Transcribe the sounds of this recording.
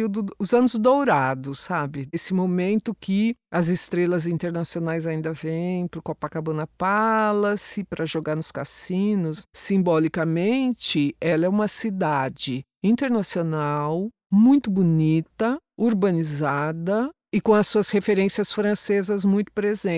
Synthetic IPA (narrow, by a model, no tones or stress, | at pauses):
iwd̪ʊʊzɐ̃nʊzd̪owɾad̪ʊsabɪesɪmomẽnt̪ʊkɪɐzɪst̪ɾelɐzĩnt̪eɾnasionajzaĩnd̪ɐvẽj̃pɾʊkɔpɐkabɐ̃nɐpalɐsɪpɾɐʒoɡaɾnʊska̰sĩnʊsːĩmbɔlikɐmẽnt͡ʃɪɛlɐɛũmɐsid̪ad͡ʒɪ | ĩnt̪eɾnasionaw | mũj̃t̪ʊbunit̪ɐuɾbɐ̃nizad̪ɐ | ɪkõɐsuɐshefeɾẽsiɐsfɾɐ̃sezɐzmũj̃t̪ʊ̥pɾezẽ